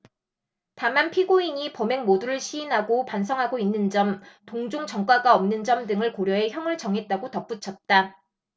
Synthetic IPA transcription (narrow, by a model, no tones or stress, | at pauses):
tamanpʰiɡoiɲipʌme̞ŋmoduɾɯɭɕʰiːnɦaɡopans̬ʰʌŋɦaɡoinːɯnd͡ʑʌmtoŋd͡ʑoŋt͡ɕʌŋk͈waɡaʌmnɯnd͡ʑʌmdɯŋɯɭkoɾjʌɦe̞çjʌŋɯɭt͡ɕʌŋɦe̞t̚t͈aɡotʌp͈ut͡ɕʰʌt̚t͈a